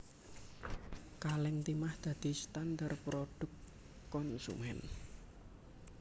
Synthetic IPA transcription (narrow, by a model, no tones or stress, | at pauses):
kalɛŋt̪imahd̪̥ä̤d̪̥i̤st̪andarpɾoɖ̥ʊ̤kː | ɔnsṵmɛn